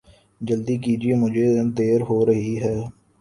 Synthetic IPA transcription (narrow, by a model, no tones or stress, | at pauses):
d͡ʒəld̪ikiːd͡ʒiemʊd͡ʒʱed̪eːɾɦoːɾɐɦiɦɛː